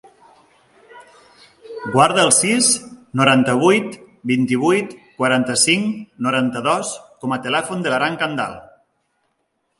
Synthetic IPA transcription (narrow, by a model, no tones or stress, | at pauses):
ɡwaɾðəəlˠsisnuɾant̪əβ̞ujt̪ | bint̪iβ̞ujt̪kwaɾant̪əsiŋnuɾant̪əðɔskɔmət̪əlɛfund̪ələɾaŋkənd̪a̰lˠ